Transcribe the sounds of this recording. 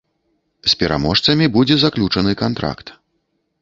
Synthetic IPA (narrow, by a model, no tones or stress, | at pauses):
sʲpʲɛɾa̰mɔʂt̪sɐmʲibud͡zʲɛzaklʲut͡ʂɐnɨkant̪ɾa̰kt̪